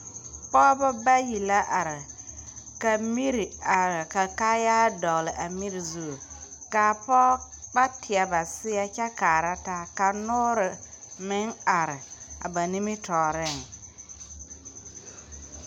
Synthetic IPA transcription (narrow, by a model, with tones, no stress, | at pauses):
pɔ˦ba˦ba˦ji˨la˦ʔa˨ɾɪ˨ | ka˨mi˦ɾi˨a˨ɾka˨kaː˦ja˦dɔ˨lɪ˨ʔa˨mi˦ɾi˨zu˦˨ka˨pɔː˦ | k͡pa˦tʰɪ˨a˨ba˨sɪ˦a˦t͡ʃa˦kaː˨ɾa˦ta˦ka˨nʊ˦ɾɪ˨mɪ˦ŋa˨ɾɪ˨a̰˨ba˨ni˦mi˦tɔː˨ɾɪ˦˨ŋ